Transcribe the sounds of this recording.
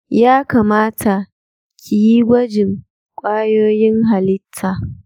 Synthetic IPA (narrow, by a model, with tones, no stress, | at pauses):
jaː˦kaː˨maː˦tʰa˨ | kʰʲi˨ji˦ɡʷɐ˦d͡ʒɪ˨ŋ | kʷʼaː˦joː˦jɪ˦ŋɦa˨lɪ˦tʰːa˨